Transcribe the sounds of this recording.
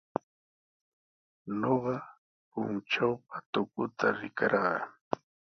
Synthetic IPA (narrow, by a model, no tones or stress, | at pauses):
noɢɑ | pʊnt͡ʃawpat̪ʊkʊt̪aɾɪkaɾɢɑ